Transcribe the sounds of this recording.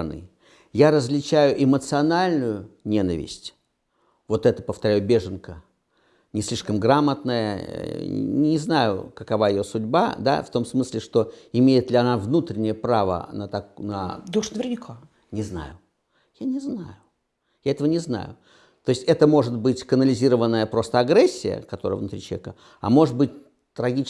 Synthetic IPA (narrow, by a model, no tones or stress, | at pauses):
nɨ̰ | jaɾəzʲlʲɪt͡ɕæjʊʔɪmət̪sɨɐnalʲnʊjʊnʲe̞nəvʲɪ̰sʲtʲ | vo̞t̪ɛt̪ə̥pəft̪ɐɾʲæjʊbʲe̞ʐɨnkə | nʲɪsʲlʲiʂkəmɡɾamət̪nəjə̰ | nʲɪznajʊ̰kəkɐvajɪjosʊdʲba̰d̪a̰ft̪o̞msmɨsʲlʲɪʂt̪o̞ɪmʲejɪt̪lʲɪɐnavnut̪ɾʲɪnʲɪjəpɾavə̰nət̪ɐknə̰d̪uʂnəvʲɪrnʲɪkʰa | nʲɪzna̰jʊ | janʲɪznajʊ | jaɛt̪əvənʲɪzna̰jʊ | t̪o̞jɪsʲɛt̪əmo̞ʐɨt̪̚bɨtʲkənəlʲɪzʲiɾəvənːəjəpɾo̞st̪əɐɡɾɛsʲːɪjə̰kɐt̪oɾə̰jəvnʊt̪ɾʲit͡ɕˠvʲekə | ɐ̰mo̞ʐɨt̪̚bɨt̚ʲ | t̪ɾɐɡʲit͡ɕ